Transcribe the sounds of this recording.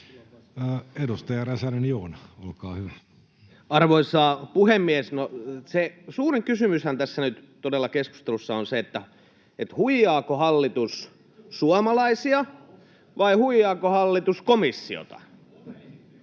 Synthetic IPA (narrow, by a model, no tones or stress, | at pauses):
edust̪ɑjɑræsænenjoːnɑolkɑːhyʋæ | ɑrʋoisɑːpuhemːiesnosesuːriŋkysymyshænt̪æsːænyt̪ | t̪odelːɑkesku̥st̪elusːɑonseet̪ːæ | et̪huijːɑːkohɑlːit̪us | suɑmɑlɑisiɑ | ʋɑihuijːɑːkohɑlːit̪uskomisːḭo̰t̪ɑ̰